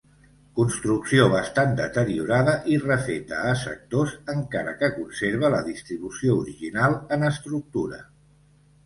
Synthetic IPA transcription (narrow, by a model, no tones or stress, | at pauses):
kunst̪ɾuksioβəst̪and̪ət̪əɾiuɾaðəʔirəfet̪əːsə̰k̚t̪ozəŋkaɾə̰kəkunseɾβ̞ələðist̪ɾiβusiouɾiʒinalˠənəst̪ɾuk̚t̪uɾə̰